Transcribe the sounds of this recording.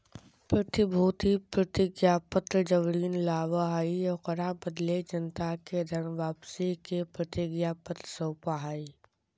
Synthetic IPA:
pɾɐt̪ɪbʱuːt̪ipɾɐt̪ɪɡjapət̪ɾd͡ʒəʋɾiːnlaːʋaɦaːijɔqɐɾabəd̪led͡ʒənt̪aked̪ʱɐnʋaːpsikepɾət̪ɪɡjapət̪ɾəsəwpaɦaːi

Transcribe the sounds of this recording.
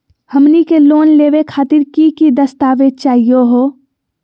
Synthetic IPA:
həmnikeloːnleːʋekʰaːt̪ɪɾkikid̪əst̪aːʋet͡ʃaːɦijoɦoː

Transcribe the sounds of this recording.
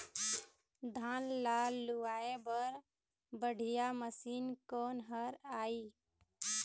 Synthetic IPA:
d̪ʱaːnlaːlːuaːebəɾ | bəɽ̤ʱijaməsiːnkɔnɦəɾaːi

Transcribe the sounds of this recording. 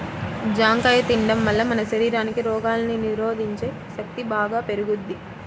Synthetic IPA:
d͡ʒaːŋkɐjɐt̪iɳɖɐmʋɐlːɐmɐnɐʃɐɾiːɾaːnikiɾɔːɡaːlɐniniɾoːd̪ʱiɲt͡ʃe̞ː | ʃɐk̚t̪ibaːɡaːpe̞ɾuɡud̪ːi

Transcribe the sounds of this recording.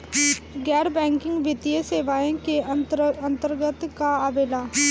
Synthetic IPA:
ɡɛːɾbɛ̃ːŋkɪ̃ŋɡʋɪt̪ijeseːʋaːẽkeəə̃nt̪əɾɡət̪kaaʋeːlaː

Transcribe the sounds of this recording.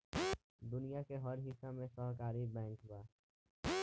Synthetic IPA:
d̪ʊnijakeɦɔɾɦɪsamẽsɔːɦkaːɾibɛ̃ːŋkɦʊbaː

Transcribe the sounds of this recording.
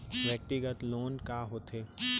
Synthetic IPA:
ʋɛːk̚ʈiɡət̪loːnkaɦot̪ʰeː

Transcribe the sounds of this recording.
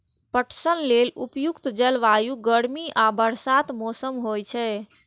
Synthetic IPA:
pəʈʰsənlelupjukt̪d͡ʒɛlʋajuɡəɽmiʔabəɾsat̪mɔsəmɦojt͡ʃʰɛ

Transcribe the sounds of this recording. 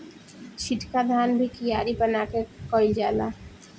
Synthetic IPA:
t͡ʃʰiʈkad̪ʱaːnbʱikijaːɾibənakekɔːɪld͡ʒala̰

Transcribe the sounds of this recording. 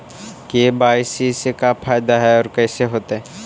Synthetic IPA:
kebaːɪsisekapʰaːjd̪aɦɛɔːɾkɛːseɦoːt̪aɦɛ

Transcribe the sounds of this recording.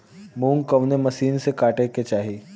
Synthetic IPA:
mũːŋkɐʋnemɐsiːnsekaːʈeket͡ʃaːɦiː

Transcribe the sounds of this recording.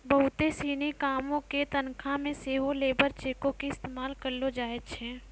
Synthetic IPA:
bɐɦʊt̪esiːnikaːmõket̪ɐnkʰãmẽseːɦoleːbəɾt͡ʃeːkõkiɪst̪eːmaːlkəɾlod͡ʒaːet͡ʃʰɛ̃ː

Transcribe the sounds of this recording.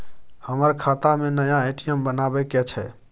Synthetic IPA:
həməɾkʰat̪amenəjaajʈijəmbənabɛkɛt͡ʃʰɛ

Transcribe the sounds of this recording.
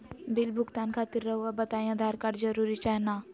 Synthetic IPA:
bɪlbʱʊɡt̪ankʰaːt̪iɾːəɦuabət̪aːj̃ãd̪ʱaːɾkaːɾd͡ʒəɾuɾit͡ʃaɦna

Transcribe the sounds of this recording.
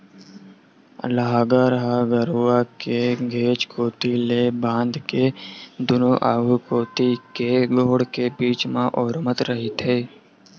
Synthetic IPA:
lɐɦaːɡaːɾɦaɡəɾuakeɡʱeːt͡ʃkoːt̪ilebãːnd̪ked̪ʊnoʔaːɡʱukoːt̪ikeɡoːɽkebiːt͡ʃmãʔɔːɾmət̪ɾəɦit̪ʰeː

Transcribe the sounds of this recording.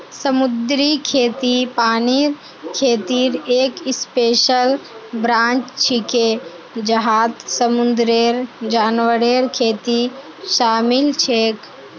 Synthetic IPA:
səmud̪ɾikʰeːt̪ipaːniɾ | kʰeːt̪iɾeːkispeːʃəlbɾãːnt͡ʃt͡ʃʰike | d͡ʒəɦaːt̪səmund̪ɾeɾd͡ʒaːnʋəɾeɾkʰeːt̪i | ʃaːmilt͡ʃʰeːk

